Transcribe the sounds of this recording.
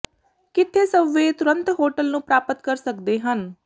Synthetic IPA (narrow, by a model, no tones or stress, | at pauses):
kɪt̪ʰːeːsəʋeːt̪ʊɾə̃nt̪ɦoːʈəlnũːpɾaːpət̪kəɾsəkd̪eːɦən